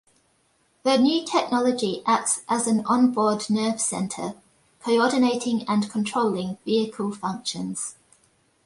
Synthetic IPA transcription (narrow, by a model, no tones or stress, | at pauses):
ðənjʉːtʰɛk̚nɒləd͡ʒiʔak̚tsʔəzə̃nə̃nbɔːdⁿnɜːv̥sɛ̰̃ntʰə | kʰəʊɔdɪneɪtʰɪ̃ŋə̃nkʰə̃ntʰɹ̥əʊlɪ̃ŋviəkʰəlˠfʌ̃ŋkʃə̃nz̥